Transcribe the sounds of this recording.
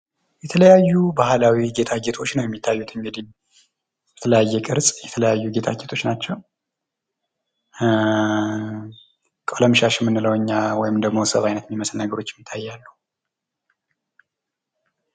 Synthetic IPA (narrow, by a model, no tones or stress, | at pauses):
jɛt̪ʰələjajːubahlawiɡe̞t̪ʰaɡet̪ʰo̞t͡ʃːnəwjɛmːit̪ʰːajːut̪ʰɨŋɡɨd̪i | bɛt̪ʰələjajːɛkʼɨɾsʼjɛt̪ʰələjajːuɡe̞t̪ʰa̰ɡet̪ʰo̞t͡ʃːnat͡ʃːɛw | kʼoləmʃaʃɪmːɨnːɨləwɨɲːawɔjɪmd̪əɡmo̞səβajnət̪miməslnəɡəɾot͡ʃːɪɛmjɪt̪ʰːajːalːu